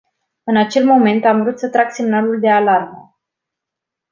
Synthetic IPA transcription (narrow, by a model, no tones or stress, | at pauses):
ɨnat͡ʃe̞lmo̞me̞nt̪amvɾut̪sət̪ɾaksemnaluld̪e̞alarmə̰